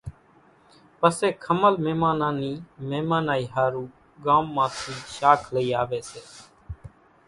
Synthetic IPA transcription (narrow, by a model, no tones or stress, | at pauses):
pəseːkʰəməlmeːmãːnãːniːmeːmãːnaːiːɦaːɾuː | ɡãːmːãːt̪ʰiːʃaːkʰləiːaːʋeːseː